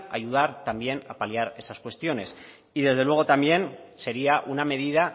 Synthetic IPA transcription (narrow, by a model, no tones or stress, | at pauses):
a̰juð̞aɾt̪ambje̞napaliaɾe̞saskwe̞st̪jo̞ne̞s | iðe̞zð̞e̞lwe̞ɣ̞o̞t̪ambje̞nse̞ɾiaʔuname̞ð̞ið̞a